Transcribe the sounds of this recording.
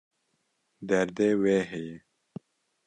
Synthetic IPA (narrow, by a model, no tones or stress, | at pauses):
d̪aɾd̪eweːɦeje